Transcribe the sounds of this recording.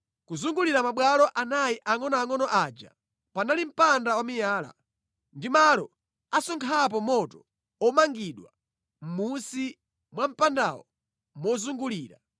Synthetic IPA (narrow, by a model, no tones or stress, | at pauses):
kuzuŋɡuliɾamaɓwalɔʔanajiʔaŋɔnɔaŋɔnɔʔad͡ʒa̰ | panalim̩pandawamijaːla̰ | ndimalɔ | asɔŋkʰap̬ɔmɔtɔ | ɔmaŋɡiɗwa | m̩musi | mwam̩panda̰wɔ̰ | mɔzuŋɡuliːɾa̰